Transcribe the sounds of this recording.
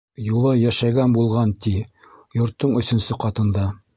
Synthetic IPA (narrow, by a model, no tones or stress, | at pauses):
julˠɤjæʃæɡænbulˠʁɑnt̪i | jŏɾt̪ːɤɴɵ̆sɵ̆nsɵqɑt̪ɤ̆nd̪ɑ